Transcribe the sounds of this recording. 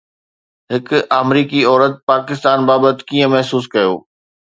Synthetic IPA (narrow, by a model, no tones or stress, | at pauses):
ɦɪkʊamɾiːkiɔːɾət̪̚paːkɪst̪aːnbaːbət̪kiːə̃mɛɦsuːs̬kɐjo̰ː